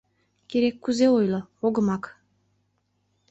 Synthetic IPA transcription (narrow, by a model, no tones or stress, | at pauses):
kʲeɾekːuzeojlˠŏoɡɤ̆mɑk